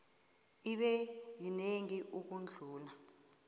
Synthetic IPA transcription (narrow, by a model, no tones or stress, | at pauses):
iɓɛjineŋiʔuk̬und͡ɮʱuːla